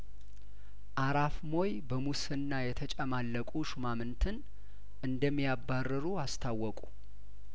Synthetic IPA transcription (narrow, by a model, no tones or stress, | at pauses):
ʔaɾafmo̞jbəmusɨnːajɛt̪ʰət͡ʃʼəmalːəkʼuʃumamɨnt̪ʰɨn | ʔɨnd̪əmːijabːarːɨɾuast̪ʰawːɔkʼu